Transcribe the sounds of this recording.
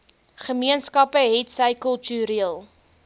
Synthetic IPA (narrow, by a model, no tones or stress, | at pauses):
χəmiənskɐpəɦɛtsəjkəlˠtyɾiəlˠ